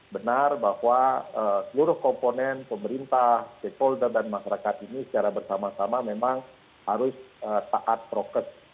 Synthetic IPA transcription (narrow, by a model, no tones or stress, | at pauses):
bənarbahwaəsəluɾʊhkɔmponɛnpəməɾint̪aht̪ekɔldərdanmaʃaɾakat̪inisə̥t͡ʃaɾabərsamasamamemaŋ | haɾʊsət̪aʔat̪̚pɾokəs